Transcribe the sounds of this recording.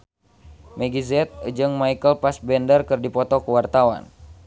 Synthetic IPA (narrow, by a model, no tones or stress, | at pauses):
mɛɡizɛt̪̚d͡ʒɨŋmaikəlpasbɛndərkɨrdipɔt̪ɔkuwart̪awa̰n